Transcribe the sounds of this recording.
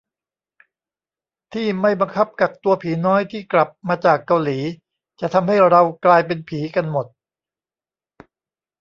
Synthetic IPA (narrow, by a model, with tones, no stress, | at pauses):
t̪ʰiː˥˩ma˥˩jba˧ŋkʰa˦˥p̚ka˨˩k̚t̪u˧ɐpʰiː˩˦nɔː˦˥jt̪ʰiː˥˩kla˨˩p̚maː˧t͡ɕaː˨˩kːa˧wliː˩˦ | t͡ɕa˨˩ʔt̪ʰa˧mha˥˩jɾa˧wklaː˧jpe˧npʰiː˩˦ka˧nmo˨˩t̪̚